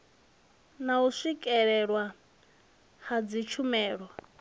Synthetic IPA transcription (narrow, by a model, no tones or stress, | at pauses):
nauʂikʼɛɺɛɺwa | had͡zit͡ʃʰumɛːɺwa